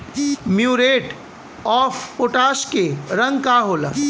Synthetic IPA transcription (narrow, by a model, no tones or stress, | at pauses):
mjuːɾeːʈ | ɔːfpoʈaːʃkeɾɐ̃ŋɡkaɦoːla̰